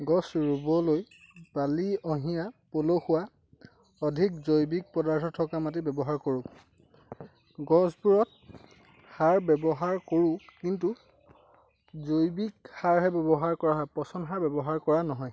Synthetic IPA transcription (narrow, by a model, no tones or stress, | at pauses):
ɡɔsɹubɔloj | b̥aliɔɦijapoloxʊwa | ɔdʱik̚zojbik̚pɔdaɹtʰɔtʰɔkamat̬ibɛbɔɦaɹkoɹũ | ɡɔsbuɹɔt̚ | haɹbɛbɔɦaɹkoɹʊ̃kintu | zojbik̚haɹɦɛbɛbɔɦaɹkɔɹaɦɔjpɔsɔnɦaɹbɛbɔɦaɹkɔɹanɔɦɔj